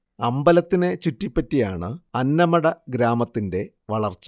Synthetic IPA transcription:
ɐmbɐlɐt̪ːinet͡ɕutːipːɐtːijaːɳɨɐnːɐmɐɽɐɡɾaːmɐt̪ːinde̞ | ʋɐɭɐrt͡ɕːu̥

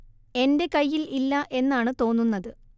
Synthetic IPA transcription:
e̞nde̞kɐjːililːɐʔe̞nːaːɳɨt̪o̞ːnːunːɐðɨ

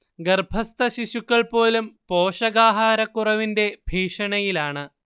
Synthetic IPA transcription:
ɡɐrbʱɐst̪ɐɕiɕukːɐɭpo̞ːlumpoːʂɐɣaːɦaːɾɐkːurɐʋinde̞bʱiːʂɐɳɐjilaːɳɨ

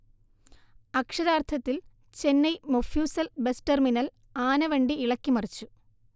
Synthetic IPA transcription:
ɐkʂɐðaːrt̪ʰɐt̪ːil | t͡ɕe̞nːɐjmofjuːsɐlbesʈerminɐl | aːnɐʋeɳɖiːɭɐkʲːimɐrit͡ɕːu

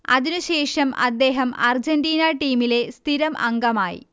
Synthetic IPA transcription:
ɐ̰ðinuɕe̞ːʂɐmɐ̰d̪ːe̞ːɦɐmɐrd͡ʑɐndiːnaʈiːmile̞st̪ʰiɾɐmʔɐ̰ŋɡɐmaːjḭ

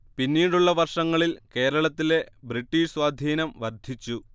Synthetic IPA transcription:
pinːiːɽuɭːɐʋɐrʂɐŋːɐɭilke̞ːɾɐɭɐt̪ːile̞briʈːiʂswaːd̪ʱiːnɐmʋɐrd̪ʱit͡ɕːu

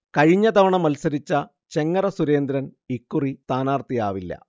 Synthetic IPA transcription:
kɐɻiɲːɐt̪ɐʋɐɳɐmɐlsɐɾit͡ɕːɐ | t͡ɕe̞ŋːɐrɐsuɾe̞ːnd̪ɾɐnikːurit̪aːnaːrt̪ijaːʋilːɐ̰

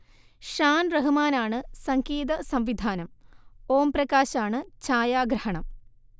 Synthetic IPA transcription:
ʂaːnrɐɦɨmaːnaːɳɨsɐŋkiːðɐsɐmʋid̪ʱaːnɐmoːmprɐkaːɕaːɳɨt͡ɕaːjaːɡɾɐhɐɳɐm

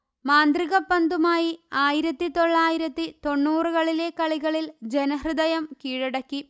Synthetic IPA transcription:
maːnd̪riɣɐpːɐnd̪umaːjiaːjiɾɐt̪ːit̪o̞ɭːaːjiɾɐt̪ːit̪o̞ɳːuːrɨɣɐɭile̞kɐɭiɣɐɭild͡ʑenɐɦrɨd̪ɐjɐmkiːɻɐɽɐkːi

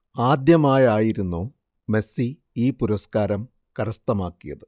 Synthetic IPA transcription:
aːd̪jɐmaːjaːjiɾunːoː | me̞si | iːpuɾɐskaːɾɐm | kɐɾɐst̪ɐmaːkːijɐ̰ðɨ

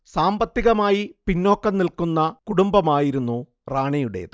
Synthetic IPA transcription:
saːmbɐt̪ːiɣɐmaːjipinːo̞ːkːɐnnilkunːɐkuɽumbɐmaːjiɾunːu | raːɳijuɽe̞̰ːðɨ

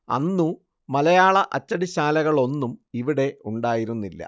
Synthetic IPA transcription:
ɐ̰nːu | mɐlɐjaːɭɐʔɐt͡ɕːɐɽiɕaːlɐɣɐɭo̞nːumiʋiɽe̞uɳɖaːjiɾunːilːɐ̰

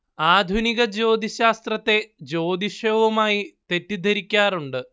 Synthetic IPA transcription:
aːd̪ʱuniɣɐd͡ʑo̞ːd̪ʱiɕaːst̪rɐt̪ːe̞d͡ʑo̞ːd̪iʂɐːʋɐmaːjit̪e̞tːid̪ʱɐɾikʲːaːruɳɖɨ

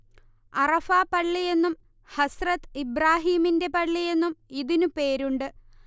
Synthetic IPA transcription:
ɐrɐfaːpɐɭːije̞nːum | hɐsrɐt̪ːibraːɦiːminde̞pɐɭːije̞nːumiðinupe̞ːɾuɳɖɨ

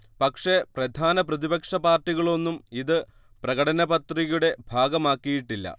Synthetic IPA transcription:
pɐkʂe̞prɐd̪ʱaːnɐprɐðibɐkʂɐpaːrʈːiɣɐɭo̞nːumiðɨ | prɐɣɐɽɐnɐbɐt̪riɣuɽe̞bʱaːɡɐmaːkːijiʈːilːɐ̰

